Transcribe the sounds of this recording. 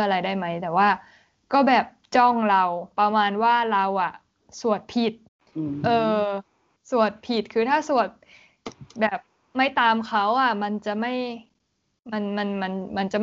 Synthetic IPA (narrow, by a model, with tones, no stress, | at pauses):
ʔa˧ɾa˧jdaː˥˩jma˦˥jt̪ɛː˨˩waː˥˩ | kɔː˥˩bɛː˨˩p̚t͡ɕɔ˥˩ŋɾa˧wpa˧maː˧nwaː˥˩ɾa˧wʔa˨˩ | su˨˩ət̪̚pʰi˨˩t̪̚ | ʔɤː˧ | su˨˩ət̪̚pʰi˨˩t̪̚kʰɯː˧t̪ʰaː˥˩su˨˩ət̪̚ | bɛː˨˩p̚ | ma˥˩jt̪aː˧mkʰa˦˥wʔa˨˩ma˧nt͡ɕa˨˩ma˥˩j | ma˧nma˧nma˧nma˧nt͡ɕa˨˩m˥